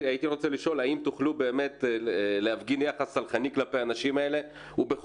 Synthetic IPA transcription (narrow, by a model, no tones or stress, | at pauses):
ajit̪iʁo̞t͡seliʃo̞laimt̪uχlube̞ːme̞tleafɡinjaχasalχaniklapeanaʃimae̞le̞ | ubeχ